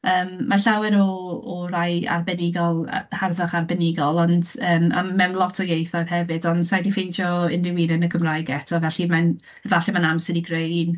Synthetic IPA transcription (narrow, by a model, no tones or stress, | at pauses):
əːmːaɬawɨɾɔɔraja̰rbɛnɪɡɔl̰ˠharðaχarbɛnɪɡɔlˠɔndəːma̰mːɛmlˠɔtʰɔjejθɔjðhɛvɨdɔndsajdifejnd͡ʒɔɪnrɪwiːnənəkʰəmrajɡɛtʰɔvɛɬiman | vaɬimanamsɪdiɡrejn